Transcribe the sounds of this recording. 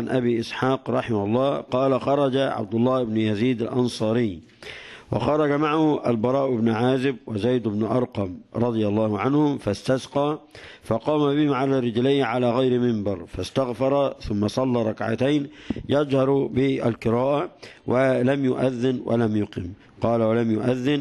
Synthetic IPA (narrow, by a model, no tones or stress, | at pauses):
nʔabiːʔɪsħɑːqɾˤɑħɪmalˤːɑːqɑːlaxɑɾˤɑd͡ʒaʕa̰b̚d̪ʊlˤːɑːʔɪbnʊjaziːd̪alʔɑnsˤɑːɾɪː | wɪ̰xɑɾˤɑd͡ʒamaʕahʊʔalbɑɾˤɑːʔɪbnʕaːzɪbwɪzajd̪ɪbnʔɑɾˤqɑmɾˤɑd̪ˤɨjalˤːɑːhʊʕanhʊmfast̪asqɑː | fɑqɑːmabɪhɪmʕalarːɪd͡ʒlɪjːʕalaːɣajɾɪmɪmbɑɾˤfast̪aɣfɑɾˤɑθʊmːasˤɑlːɑːɾˤɑkʕa̰t̪ajnjɑd͡ʒhɑɾˤbɪʔa̰lqɨɾaːʔawʔalamjʊ̰ʔaðːɪnwʔa̰lamjʊqɪm | qɑːlawalamjʊʔaðːɪn